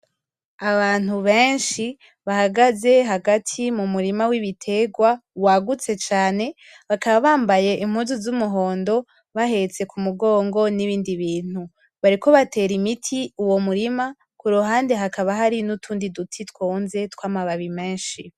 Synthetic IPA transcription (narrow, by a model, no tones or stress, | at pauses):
aβaːn̥huβeːnʃi | βahaɡaze̞ɦaɡatʰimumuɾimawiβitʰe̞ɡwawaɡut͡se̞t͡ʃaːne̞ | βakaβaβaːmbaje̞ʔim̥huːnzuzumuɦo̞ːndo̞ | βaɦe̞t͡se̞kʰumuɡo̞ːŋɡo̞niβiːndiβiːn̥hu | βaɾiko̞βate̞ːɾimitʰiuwo̞muɾima | kuɾuɦaːndeɦakaβaɦaɾinutʰuːndidutʰitkwoːnze̞tkwaːmaβaβime̞ːnʃi